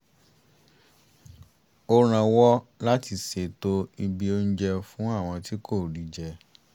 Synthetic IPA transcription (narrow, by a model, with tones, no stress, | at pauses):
o˧ɾ̃ã˧wɔ˦la˦ti˧˨se˧˨to˦i˧bi˧o˦n̩˦d͡ʒɛ˧fũ˦a˦˨w̃ɔ̃˧ti˦kʰo˦˨ɾi˨˦d͡ʒɛ˧